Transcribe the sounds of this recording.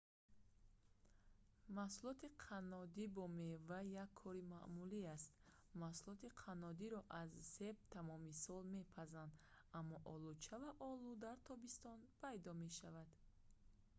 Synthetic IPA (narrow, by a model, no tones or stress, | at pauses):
mahsulɔt̪ʰiqʰanɔd̪ibɔmevajːakʰːɔɾimaʔmuliast̪ | mahsulɔt̪iqʰanɔd̪iɾɔʔazse̞b̚t̪ʰamɔmisɔlme̞pʰazand̪ | amːɔʔɔlut͡ʃʰavaʔɔlud̪aɾt̪ʰɔbist̪ɔnpʰajd̪ɔme̞ʃavad̪